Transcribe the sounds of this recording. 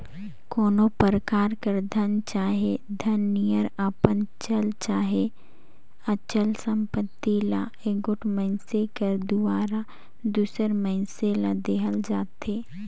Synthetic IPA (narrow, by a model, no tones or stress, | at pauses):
koːnopəɾəkaːɾkəɾd̪ʱənt͡ʃaːɦed̪ʱənːijəɾəpənt͡ʃəlt͡ʃaːɦe | ət͡ʃəlsə̃mpət̪ːila̰ | eɡʊʈʰmə̃ɪnsekəɾd̪ʊaːɾa | d̪uːsəɾmə̃ɪ̃nselad̪eːɦəld͡ʒaːt̪eː